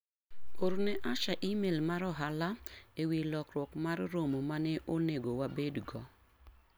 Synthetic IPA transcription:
oɾnɛʔaʃaʔimelmaɾɔɦalaewilɔkɾwɔkmarromomanɛʔoneɡowabedɡɔ

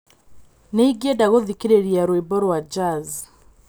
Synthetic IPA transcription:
neiɡjedaɣoðikeɾeɾiaɾoibɔɾwad͡ʒaz

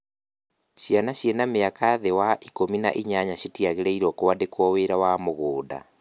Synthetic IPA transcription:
ɕianaɕjenameakaðewaʔikomina̰ʔiɲaɲaɕitiaɣeɾeiɾɔkowadekwɔweːɾawamoɣoːda̰

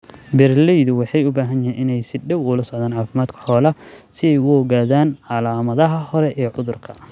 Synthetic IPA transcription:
bɛrlɛjðʊwɑħɑjʊbaːɦɐnɛːnʔɪnɛjsɪɖɛwʊlɐsɔʕðaːnʕɑːfɪmaːd̪kʰɐ̥ħɔːlɐsɪɛjʊhɔɣaːðaːnʕɑlaːmɐðɐɦɐhɔɾɛʔɛːʕʊðʊrkʰɐ

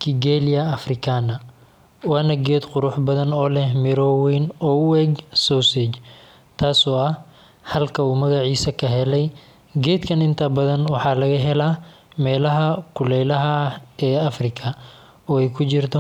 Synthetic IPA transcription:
kʰiɡɛlijɐːfrɪkʰaːnɐ | wɑːnɐɡɛːd̪qʊɾʊħbɐðɐnɔːlɛhmɛɾɔwinɔːʊɛɡsɔsɛt͡ʃ | t̪ʰaːsɔːɐh | hɐlkʰɐuːmɐɣɑʕiːsɐkʰɐɦɛlɛj | ɡɛːd̪kʰɐnɪnt̪ʰɐbɐðɐnwɑħɑːlɐɣɐɦɛlaː | mɛːlɐɦɐkʰʊlɛlɐɦɐɛːɐfrɪkʰɐ | ɔːɛjkʰʊt͡ʃɪrt̪ʰɔ

